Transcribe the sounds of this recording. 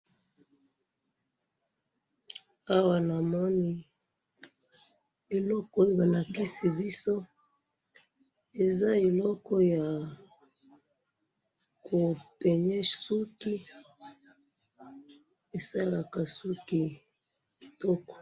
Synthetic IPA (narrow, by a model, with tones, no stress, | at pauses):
a˦wa˨na˨mɔ˦ni˨ | i˨lɔ˦kɔ˦ba˨na˨ki˦si˨bi˦so˦ | e˨za˦i˨lɔ˦kɔ˦ja˨ | ko˨pe˨ɲɛ˦ʃsu˦ki˦ | e˨sa˦la˨ka˨su˦ki˨ | ki̥˨tɔ˦kɔ̥˨